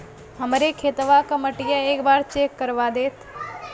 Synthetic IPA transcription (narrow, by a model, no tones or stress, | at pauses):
ɦəmɾekʰeːt̪ʋakaməʈɪjaeːkbaːɾt͡ʃeːkːəɾʋad̪eːt̪